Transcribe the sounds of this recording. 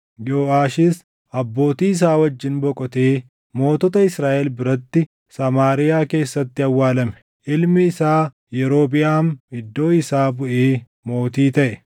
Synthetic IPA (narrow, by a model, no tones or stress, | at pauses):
joːʔaːʃɪs | ʔɐbːo̞ːt̪iːɪs̬aːwɐd͡ʒːɪnbɔkʼɔt̪eː | mo̞ːt̪ɔt̪ɐɪsɾaːʔɛlbɪɾɐt̪ːɪ | sɐmaːɾɪjaːke̞ːsːɐt̪ːɪɐwːaːlɐmɛ̥ | ʔɪlmɪːsaː | jɛɾo̞ːbɪʔaːmɪd̪ːo̞ːɪsaːbʊʔeː | mo̞ːt̪iːt̪ɐʔɛ